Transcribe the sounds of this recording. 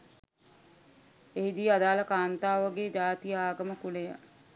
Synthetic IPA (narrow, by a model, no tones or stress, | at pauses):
eɦid̪ijəad̪aːləkaːnt̪aːʋəɡed͡ʒaːt̪ijəaːɡəməkulejə̰